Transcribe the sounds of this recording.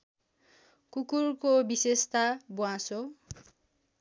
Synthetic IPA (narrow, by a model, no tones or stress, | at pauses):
kukurkobisest̪abuwãso